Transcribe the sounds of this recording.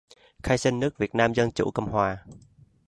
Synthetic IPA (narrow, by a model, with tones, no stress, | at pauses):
xaː˧jsi˧nnɨ˦˥ək̚vi˨˩ət̚naː˧mzə˧nt͡ɕṵ˧˥kə˧wŋ͡mhwaː˨˩